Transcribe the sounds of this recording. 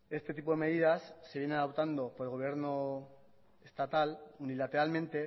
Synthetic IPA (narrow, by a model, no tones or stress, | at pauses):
e̞st̪e̞t̪ipo̞ðe̞me̞ðiðasːe̞βjnenaðop̚t̪and̪o̞poɾelɣo̞β̞je̞ɾno | est̪at̪alunilat̪e̞ɾalmẽ̞nt̪e̞